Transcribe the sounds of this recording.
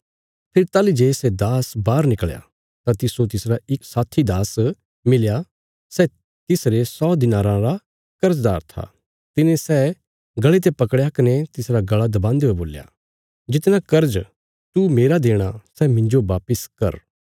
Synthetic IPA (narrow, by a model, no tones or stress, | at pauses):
pʰɪɾt̪aːlid͡ʒeːsɛd̪aːsbaːɾnɪkɭja̰ | t̪ãt̪ɪsot̪ɪsɾaɪksaːt̪ʰːid̪aːs | mɪlja | sɛ | t̪ɪsɾesɔːd̪ɪnaːɾãɾa | kɐɾd͡ʒd̪a̰ːɾt̪ʰa̰ | t̪ɪnẽsɛː | ɡɐɭet̪̬epɐkɽjakɐnet̪ɪsɾaɡɐɭad̪ɐbãːnd̪eoeboːlja̰ | d͡ʒɪt̪nãkɐɾd͡ʒ | t̪umeːɾad̪eːɽ̃asɛmɪ̃ɲd͡ʒoʋaːpɪskɐ̰ɾ